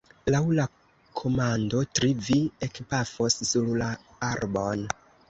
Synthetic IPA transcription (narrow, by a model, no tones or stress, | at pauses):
lawla | kʰo̞mando̞tɾiviekpafossulla | aɾbo̞n